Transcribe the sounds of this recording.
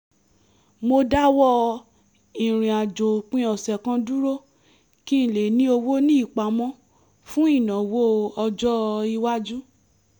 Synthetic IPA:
mo˧da˦wɔ˦ | ĩ˨ɾ̃ĩ˨a˨d͡ʒo˨k͡pĩ˦ɔ˨sɛ˨kã˧du˦ɾo˦ | kĩ˦˨le˨nĩ˧˦o˧wo˦nĩ˦i˦˨k͡pa˨mɔ̃˦ | fũ˦i˦˨nã˨wo˦˧ɔ˧d͡ʒɔ˦˧i˧wa˦d͡ʒu˦

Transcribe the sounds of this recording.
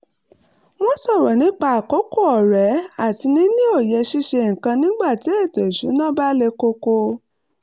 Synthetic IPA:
mɔ̃˦sɔ˦˨ɾɔ˨nĩ˨˦k͡pa˦a˨ko˨˦ko˦˨ɔ˨ɾɛ˨˦a˦˨ti˧nĩ˨˦nĩ˦o˦˨jɛ˧ʃi˧ʃe˧ŋ̩˨kã˧nĩ˦ɡ͡ba˦˨ti˨˦e˦˨te˨ʃu˨˦nã˦ba˦le˧ko˧ko˧

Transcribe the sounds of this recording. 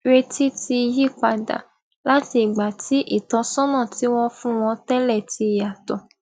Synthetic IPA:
ɾe˧ti˦ti˧ji˦˨k͡pa˧da̰˨ | la˦ti˧˨ɡ͡ba˨ti˨˦ʔi˦˨tɔ̃˧˦sɔ̃˦nã˦˨ti˨˦w̃ɔ̃˦fũ˦w̃ɔ̃˧tɛ˦lɛ˦˨ti˧ja˨tɔ̃˨

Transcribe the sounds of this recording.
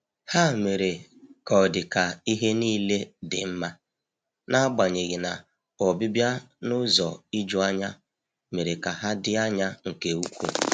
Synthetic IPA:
ha˦˨me˨ɾe˨kɔ˨dɪ˨ka˨i˦ɦe˦niː˦le˦dɪ˨m̩˦ma˦ | na˦a˦ɡ͡ba˨ɲe˨ɣɪ˨na˨ | ɔ˨bɪ˦bja˦ | nʊ˦zɔ̰˨i˦d͡ʒu˦a˦ɲa˦ | me˨ɾe˨ka˨ɦa˦dɪ˦a˦ɲa˦ŋ̩˨ke˨u˦kʷṵ˨

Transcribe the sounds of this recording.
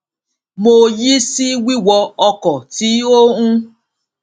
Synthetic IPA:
mo˧ji˦si˦wi˦wɔ˧ɔ˧kɔ˨ti˨˦o˦ũ˦

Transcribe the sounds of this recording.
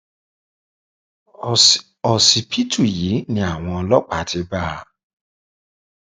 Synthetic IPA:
ɔ˨si˨pʰi˦tʰu˨ji˨˦nĩ˦a˨w̃ɔ̃˧ɔ˧˦lɔ˦k͡pa˨tʰɪ˦ba˦˨

